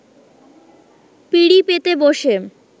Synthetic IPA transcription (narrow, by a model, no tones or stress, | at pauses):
piɽipet̪eboʃe